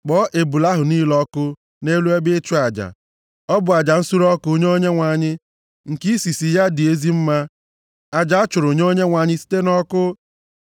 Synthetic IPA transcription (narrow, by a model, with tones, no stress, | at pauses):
k͡pɔ˨˦ʔe˨bu˨la˦ɦʊ˨niː˦lɔ˦kʊ˦ | ne˦lu˦e˦bɪ˦t͡ʃʊ˦a˨d͡ʒa̰˨ | ɔ˦bʊ˨a˨d͡ʒa˨n̩˦su˦ɾɔ˦kʊ˦o˦ɲ˦o˦ɲe˦ŋʷa˨ɲɪ˦ | ŋ̩˨ki˦si˨si˨ja˦dɪ˨e˦zi˦m̩˦ma˦ | a˨d͡ʒa˨a˦t͡ʃʊ˨ɾo˨ɲ˦o˦ɲe˦ŋʷa˨ɲɪ˦si̥˦te˦nɔ˦kʊ˦